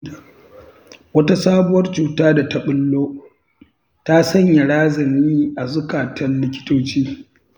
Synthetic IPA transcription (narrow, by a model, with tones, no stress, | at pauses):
wɐ˦ta˦saː˦bʊ˦wɐ˦rt͡ʃuː˨taː˦da˨tɐ˦ɓɪ˦lːoː˦ | ta˦sɐ˦ɲja˨ɽaː˦zɐ˨miː˦ʔa˨zʊ˦kaː˨tɐ˦nlɪ˦kʲɪ̥˦toː˦t͡ʃiː˦